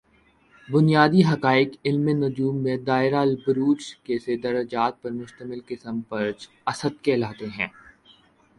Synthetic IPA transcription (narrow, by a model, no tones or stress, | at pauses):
bʊnijaːd̪iɦɐkaːɪkɪlmenʊd͡ʒuːmːẽd̪aːɪɾalbɾuːt͡ʃkesed̪ɐɾəd͡ʒaːt̪̚pɐɾmʊʃt̪əmɪlkɪsəmpɐɾt͡ʃ | ɐsəd̪̚kɛːlaːt̪eɦɛ̃ː